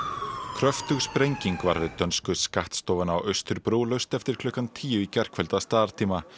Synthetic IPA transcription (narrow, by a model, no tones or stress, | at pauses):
kʰɾœft̪ʏɣspɾejɲciŋkva̰ɾvɪt̪œnskʏskaht̪st̪ɔːwvanaawʔœst̪ʏɾpɾoːwlœɥst̪ɛft̪ɪɾ̥kʰlʏhkant̪ʰiːjʏicɛr̥kvɛlt̪ast̪aːðaɾ̥t̪ʰiːma